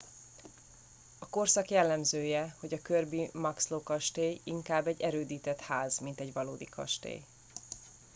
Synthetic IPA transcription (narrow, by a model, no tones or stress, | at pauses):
ɒko̞rsɒkjɛlːɛmzøːjɛhoɟɒkørbimɒksloːkɒʃt̪eːjiŋkaːbːɛɟːɛɾøːd̪iːt̪ɛt̪haːzmint̪ɛɟʋɒloːd̪ikʰɒ̰ʃt̪ḛːj